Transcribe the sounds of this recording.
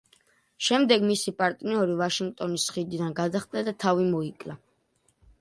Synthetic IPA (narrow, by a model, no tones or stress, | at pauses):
ʃɛmd̪ɛɡmisipʼaɾt̪ʼniɔɾivaʃiŋɡ̚t̪ʼɔnisχid̪id̪anɡad̪aχt̪ʼlad̪at̪ʰavimɔikʼla